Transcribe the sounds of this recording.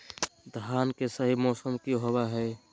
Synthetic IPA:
d̪ʱɦaːnkesəɦimɔːsəmkiɦobaɦɛː

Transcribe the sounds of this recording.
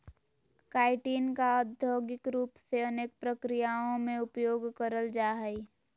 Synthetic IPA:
kaːɪʈiːnkaəd̪ʱjoːɡɪkɾuːpseəneːk̚pɾəkɾɪjaːõmẽʊpjoːɡkəɾəld͡ʒaːɦɛi

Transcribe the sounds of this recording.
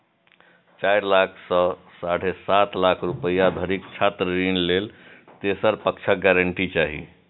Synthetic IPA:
t͡ʃajɾlakʰsə̃ | saɽ̤esat̪lakʰɾupəjad̪ʱəɾikt͡ʃʰat̪ɾəɾinlelt̪esəɾpəkt͡ʃʰək̚ɡɛɾəɳʈit͡ʃaɦḭ

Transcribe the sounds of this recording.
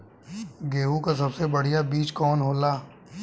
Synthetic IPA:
ɡeːɦukas̬ɐbsebɐɽ̤ijabiːt͡ʃkɔːnɦoːlaː

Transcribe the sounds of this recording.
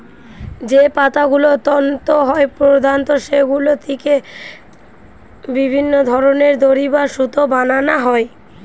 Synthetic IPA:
d͡ʑepat̪aɡulot̪ɔnt̪oɦɔepɾod̪ʱant̪oʃeɡulot̪ʰike | bibʱinːod̪ʱɔɾoneɾd̪oɾibaʃut̪obananaɦɔe

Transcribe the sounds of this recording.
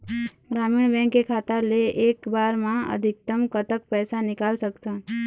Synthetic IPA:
bɾaːminbɛ̃ŋkːekʰaːt̪aleʔeːkbaːɾmãə̰d̪ʱɪk̚t̪əmkət̪ək̚pɛːsanɪkaːlsəkt̪a

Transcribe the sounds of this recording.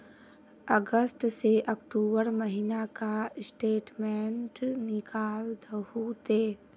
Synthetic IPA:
əɡəst̪seʔəkʈuːbəɾməɦinakasʈeːʈmeɳʈnɪkaːld̪əhut̪eː

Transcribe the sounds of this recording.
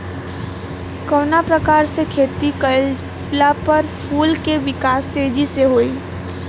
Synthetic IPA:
kəːnapɾəkaːɾsekʰeːt̪ikə | lapəɾpʰuːlkeʋɪkaːst̪eːd͡ʒiseɦoːi

